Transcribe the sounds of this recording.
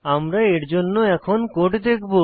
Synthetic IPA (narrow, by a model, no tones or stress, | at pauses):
amɾaeɾd͡ʑonːoɛkʰonkoʈd̪ekʰbo